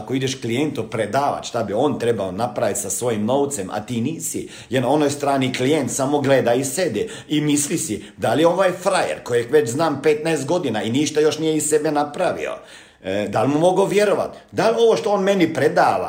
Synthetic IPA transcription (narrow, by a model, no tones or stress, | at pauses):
akoid̪eʃklijent̪upɾed̪aːʋa̰t͡ʃ̪ʃt̪abio̞ːnt̪ɾebaonapɾaʋit̪sasʋo̞jimno̞wt̪semʔa̰t̪iːniːsḭ | jeɾnao̞nojst̪ɾaːniklijent̪samoɡled̪aised̪ɛ | imislisid̪aljeo̞ʋajfɾajḛɾkojʋet͡ʃznaːmpet̪naest̪̚ɡo̞d̪inainiːʃt̪ajo̞ʃnijeissebenapɾaʋḭo̰ | d̪almumo̞ɡoʋjeɾoʋa̰t̪d̪alʲo̞ʋoʃt̪oonmenipɾed̪aːʋa̰